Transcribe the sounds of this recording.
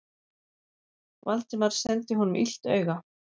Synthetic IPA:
valt̪ɪmaɾ̥sɛnt̪ɪɦɔnʏmʔḭl̥t̪œ̰ːɥɣa

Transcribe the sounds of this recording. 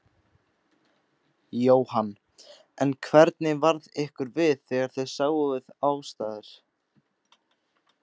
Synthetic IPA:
joːwhan | ɛnkʰvɛɾt̪nɪvaɾðɪhkʏɾvɪðθɛɣaɾ̥θejsaːɣʏvɪðaːwst̪aːðɪɾ̥

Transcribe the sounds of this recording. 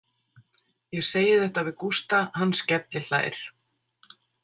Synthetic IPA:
jɛɣseːjɪθɛht̪avɪkust̪ahanːscɛt̪lɪla̰ːjɾ̥

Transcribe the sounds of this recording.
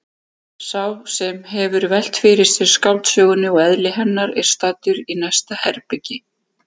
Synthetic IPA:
sawsɛmɦɛvʏɾvɛl̥t̪fɪɾɪ̥sɪɾ̥skawlt̪sjœːɣʏnːɪɔɛðlɪɦɛnːaɾɛɾ̥st̪aːt̪ʏɾinɛjst̪ahɛɾpɪcɪ

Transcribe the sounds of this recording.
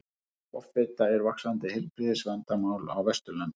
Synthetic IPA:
ɔ̰fɪt̪aɛɾvaksant̪ɪhɪlpɾiːðɪsvant̪amaːwla̰wvɛst̪ʏlant̪

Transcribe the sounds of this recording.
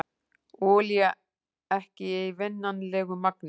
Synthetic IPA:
ɔːlja | ɛhcɪɛjvɪnːanlɛːɣʏmak̚nɪ

